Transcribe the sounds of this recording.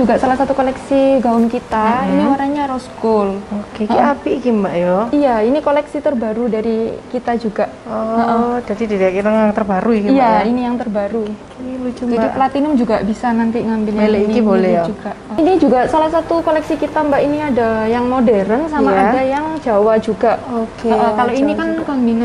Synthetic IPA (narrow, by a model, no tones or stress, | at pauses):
d͡ʒuɡaʔsalahsat̪ukolɛksiɡaʊnkit̪ainiwaɾaɲaɾɔskʊlokekiapikimbaʔjɔijainikolɛksit̪ərbaɾudaɾikit̪ad͡ʒuɡaʔɔəʔəd͡ʒadididaakit̪aŋjaŋt̪ərbaɾukiijainijaŋt̪ərbaɾu | iilut͡ʃud͡ʒaɡiplat̪inʊmd͡ʒuɡaʔbisanant̪iŋambɪlɲaleinkibolɛd͡ʒuɡainid͡ʒuɡaʔsalahsat̪ukolɛksikit̪ambaʔiniadajaŋmodɛɾənsamaadajaŋd͡ʒawad͡ʒuɡaokekaloinikanɡaŋmina